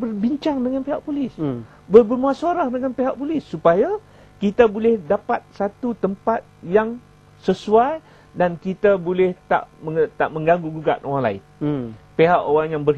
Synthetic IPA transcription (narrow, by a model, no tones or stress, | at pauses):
bərbiɲt͡ʃaŋdəŋanpeɦaʔpulɪs | bəbərmũasoɾahdəŋanpeɦaʔpulɪsːupaja | kit̪abolɛhdapat̪̚sat̪ut̪əmpat̪̚jaŋ | səsuaj | dankit̪abolɛht̪a̰ʔmət̪a̰ʔmə̃ŋɡaŋɡuɡuɡaʔowaŋla̰ɪ̰npeɦaʔoɾaŋjaŋbər